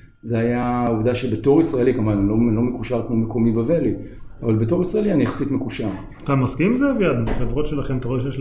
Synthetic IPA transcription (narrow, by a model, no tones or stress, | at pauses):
zeajaovd̪aʃebeto̞ʁisʁae̞likamanilolo̞mekuʃaʁkmomeko̞mibave̞liavalbeto̞ʁisʁae̞lianijaχḁsit̪mekuʃaʁ | t̪amaskimzevjad̪nubaχevʁo̞tʃe̞laχemt̪aʁoejeʃ